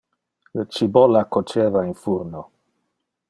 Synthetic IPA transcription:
lət͡ʃibolakot͡ʃeːvainfuɾno

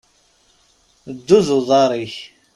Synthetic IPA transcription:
d̪ːuðʊðˤɑɾˤiç

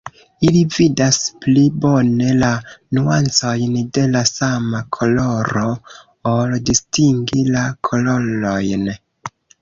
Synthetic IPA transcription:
ilividasplibo̞ne̞lanuant͡so̞jnde̞lasamakʰo̞lo̞ɾo̞ | oldistiŋɡilakʰo̞lo̞lo̞jn

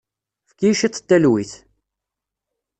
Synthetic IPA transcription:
fkiʃit̪ˤːə̥t̪ːælwiθ

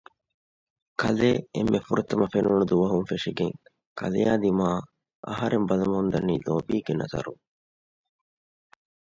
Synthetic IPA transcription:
kʰɐleːemːefuɾɐt̪ɐmɐfenuɳud̪uʋɐɦuŋfeʂiɡeŋ | kʰɐ̰lejaːd̪imaː | ʔɐɦɐɾembɐlɐmɐhund̪ɐnːiːloːbiːɡenɐ̰zɐ̰ɾuŋ

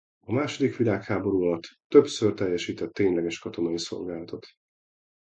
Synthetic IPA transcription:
ɒmaːʃo̞d̪ikʋilaːkhaːbo̞ɾuɒlɒt̪ːøpsørt̪ɛjːɛʃiːt̪ɛt̪ːeːɲlɛɡɛʃkɒt̪o̞nɒiso̞̰lɡaːlɒt̪o̞t̪

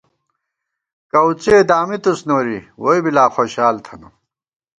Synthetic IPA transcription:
kɐwt͡ɕeːd̪aːmit̪usnoːɾiwoibilaːxoːɕaːlt̪ʰɐnṵ

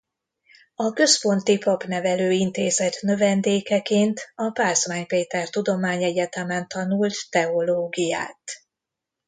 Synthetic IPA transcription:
ɒkø̞spo̞nt̪ipɒpnɛvɛløːint̪eːzɛt̪nø̞vɛnd̪eːkɛkeːnt̪ɒpaːsmaːɲpeːt̪ɛrt̪ud̪o̞maːɲɛɟɛt̪ɛmɛnt̪ɒnult̪ːɛo̞loːɡija̰ːt̪

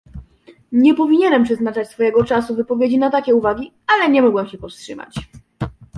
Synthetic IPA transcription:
ɲɛpɔvʲiɲɛnɛmpʂɛznat͡ʂat͡ɕʲsfɔjɛɡɔt͡ʂasuvɘpɔvʲjed͡ʑinat̪akʲɛuvaɡʲi | alɛɲɛmɔɡwɛmɕɛpɔfstʂɘma̰t͡ɕ

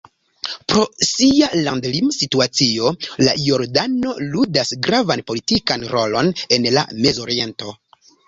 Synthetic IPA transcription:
pɾo̞sialandlimsituat͡sio̞lajo̞ɾdano̞ludasɡɾavanpo̞litikanɾo̞lo̞nenla̰me̞zo̞ɾie̞nto̞

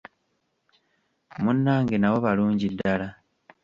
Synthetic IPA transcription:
munːaːŋɡenawo̞βaluːɲɟidːala

